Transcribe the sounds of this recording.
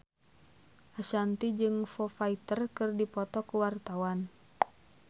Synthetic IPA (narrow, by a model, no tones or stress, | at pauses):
ʔaʃant̪id͡ʒɨŋfɔfait̪ərkɨrdipɔt̪ɔkuwart̪awan